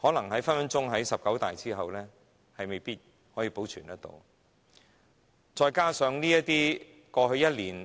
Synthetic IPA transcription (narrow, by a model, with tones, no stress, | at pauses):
hɔː˨˥lɐ˨˩ŋɦɐ˨˥jfɐ˥nfɐ˨˥nt͡sʊ˥ŋɦɐ˨˥jsɐ˨p̚kɐ˨˥wt̪a̰ː˨jt͡siː˥ɦɐ˨wlɛː˥ | hɐ˨jme˨˩jpiː˥t̚ | hɔː˨˥jiː˧po˨˥wt͡ʃʰyː˨˩nt̪ɐ˥t̪o̰˧w | t͡sɔː˧jkaː˥sœː˨˧ŋniː˥jɐ˥tt̪iː˥ | kɔː˧hɵ˧ɥjɐ˥t̚liː˨˩n